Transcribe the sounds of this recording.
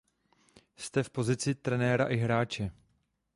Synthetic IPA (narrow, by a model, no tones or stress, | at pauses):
st̪ɛfpo̞zɪt͡sɪt̪ɾɛnɛːɾaʔɪɦɾaːt͡ʃɛ